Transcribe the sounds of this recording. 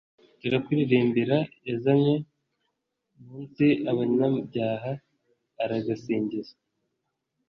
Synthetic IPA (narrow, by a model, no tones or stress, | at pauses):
tiɾakiɾiɾiːmbiɾaezamɲe | muːnsiaβaɲɲabɟaːɦaː | ɾaɡasiːɲɟiza